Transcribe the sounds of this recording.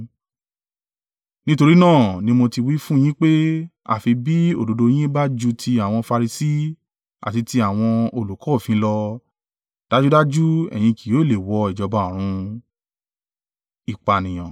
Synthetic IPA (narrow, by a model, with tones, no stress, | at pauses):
nĩ˦to˧ɾi˦nãː˦˨nĩ˧mõ˧ti˧wi˦fũ˦j̃ĩ˦k͡pe˦ | a̰˦˨fi˧bi˦o̰˨do˨˧do˧j̃ĩ˦ba˦d͡ʒu˦tʰi˧a˨w̃ɔ̃˧fa˧ɾi˧si˦ | a̰˨ti˧ti˧a˦˨w̃ɔ̃˧o˧lu˨kɔː˨˦˨fĩ˨˦lɔ˧ | d̥a˦d͡ʒu˦da˦d͡ʒu˦ɛ̰˨j̃ĩ˧ki˨o˨˦i˦˨le˨wɔ˧i˨d͡ʒɔ˨˧ba˨˦˨ɾ̃ũ˧ | i˨k͡pa˨nĩ˨j̃ã˨